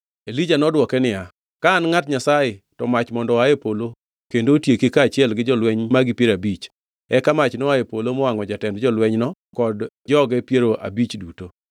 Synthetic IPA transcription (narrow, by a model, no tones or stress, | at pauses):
elid͡ʒanɔdwɔkɛnɪja | kaːnŋatɲasajɪtɔmat͡ʃmɔndɔajepolo | kendotjekekaːt͡ʃɪɛlɡɪd͡ʒɔlwɛɲmaɡɪpjeɾabit͡ʃ | ɛkamat͡ʃnɔajepolomɔaŋɔd͡ʒatɛndd͡ʒɔlwɛɲnɔ | kɔd | d͡ʒɔɡɛpjeɾoʔa̰bit͡ʃduto